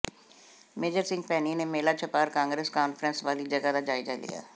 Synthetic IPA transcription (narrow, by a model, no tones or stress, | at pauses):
meːd͡ʒəɾsɪ̃ŋɡ̚pɛːniːneːmeːlaːt͡ʃʰəpaːɾkãːŋɡɾəskaːnfʰɾənsʋaːliːd͡ʒəɡaːd̪aːd͡ʒaːid͡ʒaːlḭja̰ː